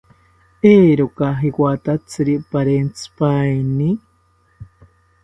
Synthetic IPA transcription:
eːɾokaɦikwat̪at͡sɨɾipaɾent͡sɨ̥pajni

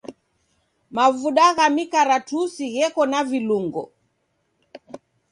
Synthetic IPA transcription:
mavuɗaɣamikaɾatusiɣɛkɔnaviluŋɡɔ̰

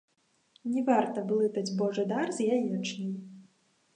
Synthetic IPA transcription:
nʲɛvart̪ɐblˠɨt̪ɐd͡zʲbɔʐɨd̪arzjajɛt͡ʂnʲɐj

